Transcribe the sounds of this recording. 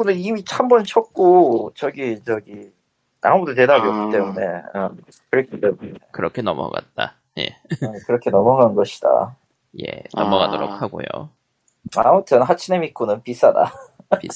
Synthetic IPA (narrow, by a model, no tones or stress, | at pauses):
onɯnimit͡ɕʰambʌnt͡ɕʰʌk̚k͈ot͡ɕʌɡit͡ɕʌɡi | a̰mudote̞dabiʌk͈ːit͈e̞mune̞ʌ | kɯɾʌkʰit͈ːemunekɯɾʌkʰenʌmʌ̰ɡa̰t̚t͈a̰ | jḛʌkɯɾʌkʰe̞nʌmʌɡaɯnɡʌɕʰi̥d̥a̰ | je̞̰nʌmʌɡadoɾok̚haɡo̰jo̰ | a̰mutʰɯnɦat͡ɕʰinemik͈ʰonɯnpis͈ada̰